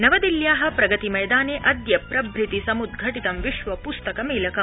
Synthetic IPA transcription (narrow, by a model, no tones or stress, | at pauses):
nɐʋɐd̪iljaːɦɐ̆pɾɐɡɐt̪imɐjd̪aːneːʔɐd̪jɐpɾɐbʱɾit̪isɐmud̪̚ɡʱɐʈit̪ɐmʋiʃʋɐpust̪ɐkɐmeːlɐkɐm